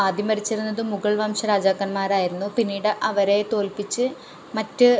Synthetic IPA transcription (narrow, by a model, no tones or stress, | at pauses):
aːd̪ʱjɐmɐɾit͡ɕːiɾunːɐðɨmuɣɐɭʋɐːmʂɐɾaːd͡ʑaːɣɐnmaːɾaːjiɾunːupinːiːɽɨʔɐʋɐɾe̞t̪o̞ːlpit͡ɕːɨ | mɐtːɨ